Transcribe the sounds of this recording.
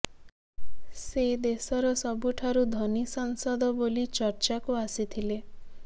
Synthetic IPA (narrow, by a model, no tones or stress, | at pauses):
sed̪esɔɾɔsɔbuʈʰaɾud̪ʱɔnisaŋsɔd̪ʱɔbolit͡ʃɔɾt͡ʃakuasit̪ʰile